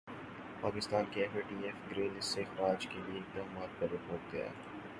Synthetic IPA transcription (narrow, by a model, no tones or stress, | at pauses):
paːkɪst̪aːnkeɛfeːʈiːɛfɡɾeːlɪseɪxɾaːd͡ʒkelieɪk̚d̪aːmaːt̪̚pɐɾeoːk̚ɡ̪ɐ̰ja̰ː